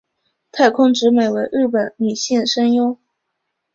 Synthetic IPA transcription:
t̪ʰa˥˧ɪkʰʊ˥ŋʈ͡ʂɻ̩˧˥me˨˩ɪwe˧˥ɪɻɻ̩˥˩p̬ə˨˩nny˨˩ɕi˥˩nʂə˥njo˥ʊ

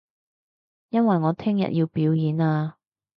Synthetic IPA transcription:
jɐ˥nwɐ˨jŋɔː˨˧t̪ʰɪ˥ŋjɐ̰˨t̚jiː˧wpiː˨˥wjiː˨˥naː˧

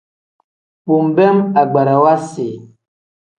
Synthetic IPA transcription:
pu˨m˨bɛ˦ma˨ɡ͡ba˨ɾa˨wa˦si˨

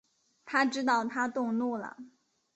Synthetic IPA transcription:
t̪ʰa˥ʈ͡ʂɻ̩˥t̪ɑ˥˩ʊt̪ʰa˥t̪ʊ˥˧ŋlu˥˩lə̰˩

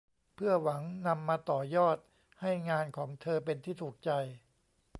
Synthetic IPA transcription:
pʰɯ˥˩ɐwa˩˦ŋna˧mːaː˧t̪ɔː˨˩jɔː˥˩t̪̚ | ha˥˩jŋaː˧nkʰɔː˩˦ŋt̪ʰɤː˧pe˧nt̪ʰiː˥˩t̪ʰuː˨˩k̚t͡ɕa˧j

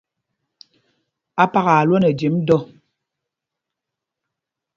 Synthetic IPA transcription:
a˦pa˦ɣa˨a˨lwɔ˦nɛ˨d͡ʒi˨˦mdɔ˦

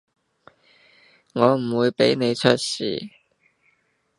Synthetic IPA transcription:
ŋɔː˨˧m̩˨˩wuː˨˧jpe˨˥jne˨˧jt͡ʃʰɵ˥t̚sḭː˨˩

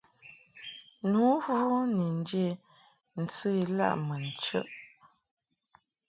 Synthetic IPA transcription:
nu˨˦hu˦ni˨n˦dje˦˨ | n̩˨t͡sə˦i˨la̰˦˨ʔmə˨n˨t͡ʃə̰˦ʔ

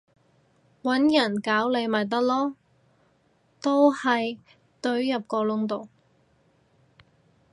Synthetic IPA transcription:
wɐ˨˥njɐ˨˩nkaː˨˥wle˨˧jmaː˨˩jt̪̬ɐ˥k̚lɔː˥ | t̪o˥whɐ˨j | t̪ɵ˧ɥjɐ˨p̚kɔː˧lʊ˥ŋt̪o˨w

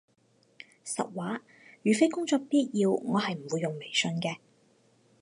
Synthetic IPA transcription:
sɐ̰˨t̚waː˨˥ | jyː˨˩fe˥jkʊ˥ŋt͡sɔː˧k̚piː˥t̚jiː˧wŋɔː˨˧ɦɐ˨jm̩˨˩wu˨˧jːʊ˨ŋme˨˩jsɵ˧nkɛː˧

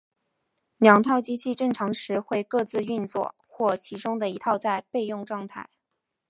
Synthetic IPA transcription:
ljɑ˨˩ŋt̪ʰɑ˥˩ʊt͡ɕi˥t͡ɕʰi˥˧ʈ͡ʂɤ˥˩ŋʈ͡ʂʰɑ˧˥ŋʂɻ̩˧˥xwe˥˧ɪkɤ˥˧t͡sɹ̩˥˧y˥˧nt͡swɔ̰˥˩ | xwɔ˥˩t͡ɕʰi˧˥ʈ͡ʂʊ˥ŋd̪ə˨i˧˥t̪ʰɑ˥˧ʊt͡sa˥˧ɪpe˥˧ɪjʊ˥˧ŋʈ͡ʂwɑ˥˧ŋt̪ʰa̰˥˩ɪ

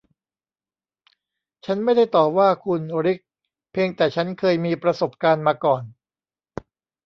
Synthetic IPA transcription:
t͡ɕʰa˦˥nma˥˩jda˥˩jt̪ɔː˨˩p̚waː˥˩kʰu˧nɾi˦˥k̚ | pʰeː˧ŋt̪ɛː˨˩t͡ɕʰa˦˥nkʰɤː˧jmiː˧pɾa˧so˨˩p̚kaː˧nmaː˧kɔː˨˩n

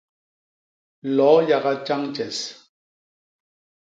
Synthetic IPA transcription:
lɔː˨˦ja˨ɣa˦t͡ʃa˦ŋt͡ʃɛ˨s

